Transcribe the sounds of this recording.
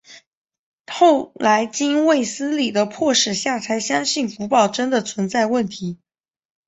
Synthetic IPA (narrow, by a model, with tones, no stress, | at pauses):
xo˥˩ʊla˧˥ɪt͡ɕi˥nwe˥˩ɪsɹ̩˥li˨˩d̪ə˦pʰwɔ˥˩ʂɻ̩˥˩ɕja˥˩t͡sʰa˧˥ɪɕjɑ˥ŋɕi˥˩nfu˧˥pɑ˥˩ʊʈ͡ʂə˥nd̪ə˨t͡sʰwə˧˥nt͡sa˥˧ɪwə˥˩nt̪ʰi˧˥